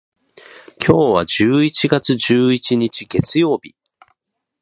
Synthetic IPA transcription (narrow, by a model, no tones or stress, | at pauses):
kʲʰo̞ːβad͡ʑɨːit͡ɕiɡat͡sɨʑɨːit͡ɕiɲit͡ɕiɡ̥e̞t͡sɨjo̞ːb̥ʲi